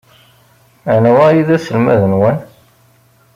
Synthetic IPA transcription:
ʕnwæjiðæsəlmæ̰ðənwæn

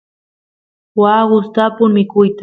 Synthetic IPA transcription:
waɢʊst̪apʊmɪkʊjt̪a

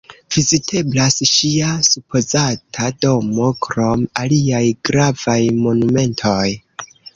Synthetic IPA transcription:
v̥izitʰe̞blasʃiasupʰo̞zatʰado̞mo̞kɾo̞maliajɡ̥ɾav̥ajmo̞nume̞ntʰo̞j

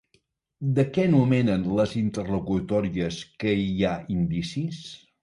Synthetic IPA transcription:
d̪əkɛnumɛnənləzint̪ərlukut̪ɔɾiəskəiaind̪isis

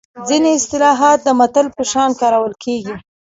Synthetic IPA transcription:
d͡zineɪst̪ɪlɑɦɑt̪̚d̪əmat̪əlpəʃɑnkɑɾawəlkʰeɡi

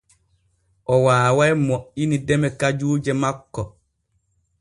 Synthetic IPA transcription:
ʔɔwaːwajmɔʔinidɛmɛkad͡ʒuːd͡ʒɛmakːɔ

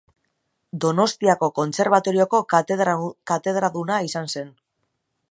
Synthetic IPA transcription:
d̪o̞no̞st̪iako̞ko̞nt͡se̞ɾβ̞at̪o̞ɾio̞ko̞ | kat̪e̞ðɾaðunaisanse̞n

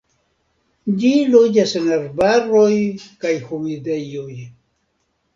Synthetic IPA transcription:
d͡ʒilod͡ʒasenaɾbaɾojkajhumidejoj

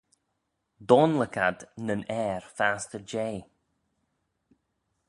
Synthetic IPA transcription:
d̪ɔnləkʰad̪nənɛːɹfaːstəd͡ʒeː

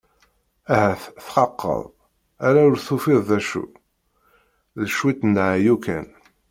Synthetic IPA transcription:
æɦæθθqɑqːə̰ðˤ | æɾæʊɾθufɪðˤðæʃṵ | ðəʃwit̪nːʕjukæn

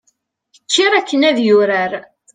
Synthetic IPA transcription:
t͡ʃːɪɾˤækːənæðjʊɾæɾ

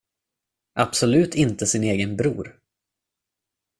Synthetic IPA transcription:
ʔabsɔlʉ̟ːt̪ʰɪnt̪əsɪneːɡənbɾṵːɾ

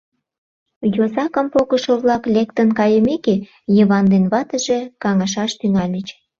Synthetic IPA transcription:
jozɑkə̆mpokə̆ʃoβlɑklʲekt̪ənkɑjəmeke | jəβɑnd̪enβɑt̪ə̆ʒekɑŋɑʃ̬ɑʃt̪yŋɑlʲət͡ɕ

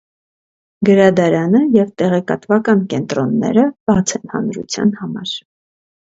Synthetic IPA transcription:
ɡəɾɑd̪ɑɾɑnəjɛvt̪ɛʁɛkɑt̪vɑkɑnkɛnt̪ɾɔnːɛ̰ɾəb̥ɑt͡sʰɛnhɑ̰nɾṵt͡sʰjɑ̰nhɑmɑ̰ɾ

